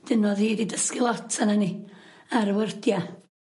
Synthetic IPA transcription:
d̥ɪnɔðhiːɾidəskɪlˠɔtʰanani | aɾwərdja

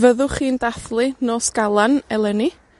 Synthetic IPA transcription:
vəðʊχiːndaθlˠɨnoːsɡ̥alˠanɛlˠɛni

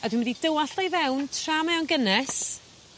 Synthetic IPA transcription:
adwɪnmɛdidəwaɬejvɛwntʰraːmɛɔwnɡənɛs

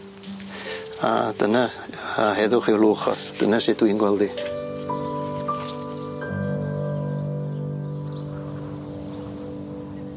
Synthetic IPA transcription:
a̰d̥əna | aɦɛðʊχɪwluːχɔ̰θd̥ənasɪt̚d̥winɡwɛlˠdi

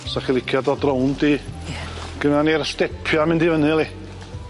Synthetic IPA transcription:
saχilˠɪkʰjadɔdrowndi | ɡ̥ənanirstɛpʰjamɪ̃ndivənɨlˠi

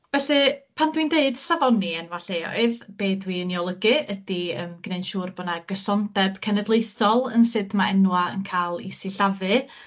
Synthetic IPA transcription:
vɛɬɨpʰandwindeɨd̥savɔniɛnwaɬejɔ̰ɨðb̥eːdwiənjɔlˠəɡɨədiəmɡ̥nejnʃuːrbɔnaɡəsɔndɛb̥kʰɛnɛdlˠejθɔlˠənsɨdmaɛnwaə̰nkʰaːlˠḭsiɬavɨ

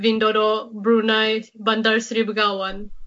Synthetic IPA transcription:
ʋinɖɔɾɔbɾunajbɐnd̪əɾsɾibɡawan

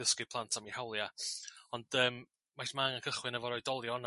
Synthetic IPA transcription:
əskɪpʰlˠantʰamihawlˠjaɔnd̥əːm | mːajsmaŋankʰəχwɪnɛvɔɾɔjdɔlˠjɔn

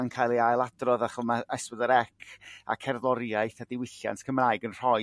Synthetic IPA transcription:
ŋkʰajlˠiajlˠadrɔðaχɔmaɛspɔðəɾɛkʰa̰kʰɛrðɔɾjaɨθadɪwɪɬja̰ntʰkʰəmraːɨɡənr̥ɔ

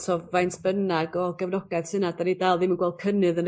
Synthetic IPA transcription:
sʰɔvajntʰb̥ənaɡɔɡɛvnɔɡ̥ɛð̥sɨnadanidalˠðimənɡwɛl̚ˠkʰənɨðən

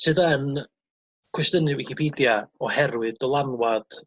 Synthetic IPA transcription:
sɨðən | kʰwɛstənɨwɪkipʰiːdjaɔhɛrwɨdɔlˠanwad̥

